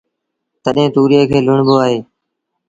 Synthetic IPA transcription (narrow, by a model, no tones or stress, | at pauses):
t̪əɗɦẽːt̪uːɾijeːkʰeːlʊɳboːaːɦeː